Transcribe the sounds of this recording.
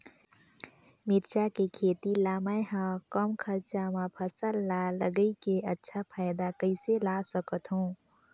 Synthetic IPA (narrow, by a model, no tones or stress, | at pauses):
mɪɾt͡ʃakekʰeːt̪ilaːmajɦãkəmkʰəɾt͡ʃamãpʰəsəlːaləɡəikeətːʃʰapʰaːjd̪akəɪselasəkət̪ɦũː